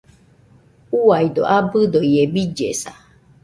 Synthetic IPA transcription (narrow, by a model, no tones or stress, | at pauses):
uaid̪o̰ʔabɨd̪oiebid͡ʒḛsa